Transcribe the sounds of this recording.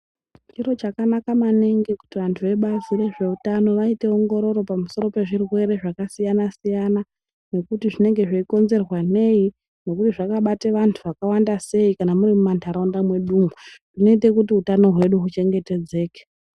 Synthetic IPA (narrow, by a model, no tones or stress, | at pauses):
t͡ʃiro̞t͡ʃakanakamaneŋɡe̞ku̥tiʋantʰuʋe̞ɓazire̞ʐe̞utano̞ʋaite̞o̞ŋɡo̞ɾo̞ɾo̞pamuso̞ɾo̞pe̞ʐirwe̞ɾe̞ʐakasijanasijana | ne̞kutiʐine̞ŋɡe̞ʐeiko̞nze̞rwane̞i | no̞kutiʐakaɓateʋantʰuʋakawandase̞ikanamuɾimumantʰaɾaundamwe̞ɗuːmuʐ̥ino̞ite̞kutiutano̞ɦwe̞ɗuɦut͡ʃe̞ŋɡe̞te̞d͡ze̞ːke̥